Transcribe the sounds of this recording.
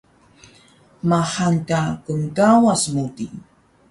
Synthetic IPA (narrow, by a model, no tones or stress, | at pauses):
mahaŋkakʊŋkawasmut̪i